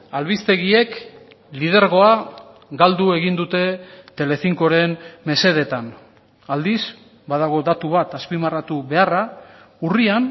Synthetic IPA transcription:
alβist̪e̞ɣie̞k | lið̞e̞ɾɣ̞o̞a | ɡald̪ue̞ɣind̪ut̪e̞t̪e̞le̞fiŋko̞ɾe̞nme̞se̞ð̞e̞t̪an | ald̪iz | baðaɣ̞o̞d̪at̪uβat̪aspimarat̪uβe̞ara | urian

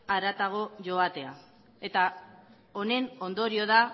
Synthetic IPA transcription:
aɾat̪aɣ̞o̞ʝo̞at̪e̞a | e̞t̪a | o̞ne̞no̞nd̪o̞ɾio̞ða

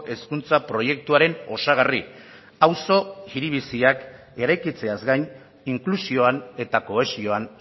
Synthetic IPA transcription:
ʔe̞skunt͡sapɾo̞je̞kt̪uaɾe̞no̞saɣ̞ari | awso̞ɣiɾiβisiak | e̞ɾajkit͡se̞azɡajn | iŋklusio̞ane̞t̪ako̞e̞sio̞an

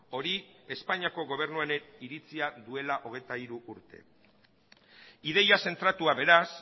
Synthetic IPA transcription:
o̞ɾie̞spaɲiako̞ɣo̞β̞e̞ɾnuaneniɾit͡siaðue̞laʔo̞ɣ̞e̞jt̪aiɾuʔuɾt̪e̞̰ | iðe̞jase̞nt̪ɾat̪uaβe̞ɾas

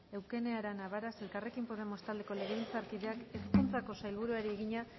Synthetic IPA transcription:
e̞wke̞ne̞aɾanaβaɾase̞lkare̞kimpo̞ð̞e̞mo̞st̪ald̪e̞ko̞le̞ɣeint͡saɾkiðe̞ake̞skunt͡sako̞sajlβuɾuaɾieɣiɲa

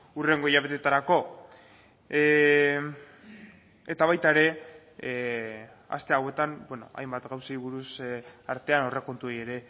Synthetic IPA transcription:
ure̞ŋɡo̞iɾaβe̞t̪e̞t̪aɾako̞ | et̪aβajt̪aeɾe̞ | a̰st̪e̞awe̞t̪ambwe̞no̞̰a̰jmbat̪ɣawsaiβuɾusaɾt̪e̞ano̞re̞ko̞nt̪uoje̞ɾe̞

